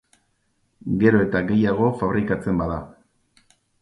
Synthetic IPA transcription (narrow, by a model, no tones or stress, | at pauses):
ɡe̞ɾo̞e̞t̪aɣe̞jaɣ̞o̞faβ̞ɾikat͡se̞mbaða